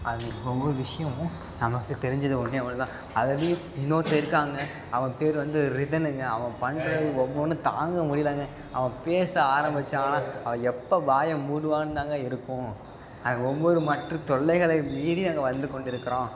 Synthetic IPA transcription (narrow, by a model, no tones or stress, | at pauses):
ʔɐðɯnɐɔʋʋɔɾɯʋɪʂɐjɐ̃ | nɐmɐkːɯt̪ɛɾɪɲd͡ʒɐðɯʊnːeɐʋɐnt̪ãː | ɐðɐðɐjʊ̃ɪnːoːt̪ːɐɪɾɯkːaːŋɡɐ | ɐʋɐ̃peːɾʋɐnd̪ɯɾɪðɐnɯŋɡɐɐʋɐ̃pɐɳɾɐɯɔʋːɔnːɯt̪a̰ːŋɡɐmʊɽɪlaːŋɡɐ | ɐ̰ʋɐ̃peːsɐaːɾɐmbɪt͡ʃːaːɐlãːɐʋɐ̃ɛpːɐbaːjɐmuːɽɯʋaːnɯt̪aːŋɡɐɪɾɯkːʊ̃ | ɐðɐɡɐɔʋʋɔɾɯmɐʈrɯt̪ɔɭːɐɪɣɐɭɐɪmiːɽinaːŋɡɐʋɐnd̪ɯkɔɳɖɪɾɯkːɐɾõː